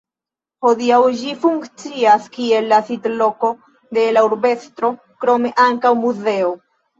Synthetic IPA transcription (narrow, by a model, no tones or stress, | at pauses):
ho̞diawd͡ʒifuŋkt͡siaskie̞lːasitlo̞ko̞ | de̞lauɾbe̞st̪ɾo̞ | kɾo̞me̞ʔaŋkawmuze̞o̞